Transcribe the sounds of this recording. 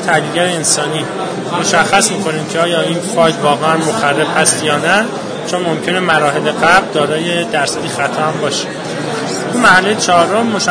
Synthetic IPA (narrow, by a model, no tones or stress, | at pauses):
t̪ʰæhliːlɡæɾeensɒːniː | mo̞ʃæxːæsmiːkʰo̞niːmcʰeɒːjɒːiːnfɒːjd̪vɒːɣeænmoxærːefhæst̪jɒːnæ | t͡ʃʰonmo̞mcʰe̞ne̞mæɾɒːɦe̞leɣæbld̪ɒːɾɒːje̞d̪æɾsæd̪iːxæt̪ʰɒːhæmbɒːʃe̥ | t̪ʰumæhælːejet͡ʃʰɒɾomːoʃ